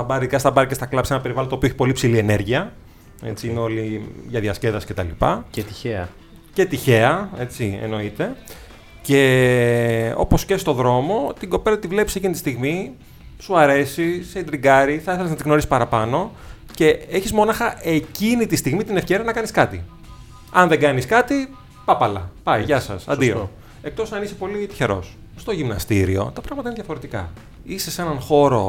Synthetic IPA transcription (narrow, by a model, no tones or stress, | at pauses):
ɐbɐɾikɐst̪ɐbɐɾikɐst̪ɐklɐpsenɐpe̞ɾivɐlont̪opioeçipo̞lipsilie̞neɾʝiɐ | e̞t͡siineo̞liʝɐðiɐsce̞ðɐsi̥cet̪ɐlipɐ̰cet̪içeɐ | ce̞t̪içe̞ɐe̞t͡siḛno̞it̪e̞ | ce | o̞̰po̞sce̞st̪o̞ðɾo̞mo̞t̪iɡo̞pe̞lɐt̪ivle̞pisecinit̪ist̪iɣmi | suɐɾe̞sised̪ɾiɡɐɾiθɐiθeleznɐt̪iɣno̞ɾisi̥pɐɾɐpɐno̞ | ce̞eçizmo̞nɐxɐʔe̞cinit̪ist̪iɣmit̪ine̞fce̞ɾiɐnɐkɐniskɐt̪ḭ | ɐnðeɡɐniskɐt̪i | pɐpɐlɐ̰pɐiʝɐsɐ̰sɐ̰d̪io̰ | e̞k̚t̪o̞sɐnisepo̞lit̪i̥çe̞ɾo̞̰s | st̪o̞ʝimnɐ̰st̪ḭɾḭo̞̰t̪ɐpɾɐɣmɐt̪ɐinðʝɐfo̞ɾe̞t̪ikɐ̰ | ise̞se̞nɐnxo̞ɾo̰